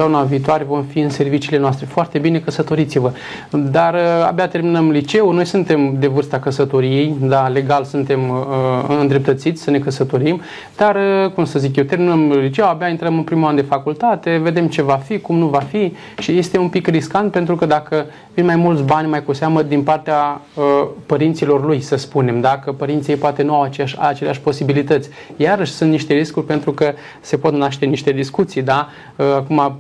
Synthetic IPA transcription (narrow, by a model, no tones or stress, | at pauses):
aunaviːt̪oaɾevo̞mfiɨnse̞rvit͡ʃiːle̞noast̪ɾe̞foart̪e̞bine̞kəsət̪o̞ɾit̪sivə | d̪aɾa̰bjat̪e̞rminəmlit͡ʃe̞uno̞jsɨnt̪e̞md̪e̞vɨrst̪akəsət̪o̞ɾije̞jd̪ale̞ɡalsunt̪e̞m | ɨnd̪ɾe̞p̚t̪ət̪sit̪sʲsəne̞kəsət̪o̞ɾim | d̪̥arəkumsəzikjewt̪e̞rminəmlit͡ʃe̞wabjaint̪ɾəmɨnpɾimuand̪e̞fakult̪at̪e̞ve̞d̪e̞mt͡ʃe̞vafikumnuvafi | ʃije̞st̪e̞umpikriskant̪̚pent̪ɾukəd̪akə | vinmajmult̪sʲbanʲmajkuseaməd̪inpart̪ea | əpəɾint̪silo̞rlujsəspune̞md̪akəpəɾint̪sijejpoat̪e̞nuawat͡ʃeʃat͡ʃe̞leaʃʲpo̞sibilit̪ət̪sʲ | jaɾəʃʲsunt̪niʃt̪e̞ɾiskurʲpe̞nt̪ɾukə | se̞po̞t̪naʃt̪e̞niʃt̪e̞d̪iskut̪sijd̪a | əakuma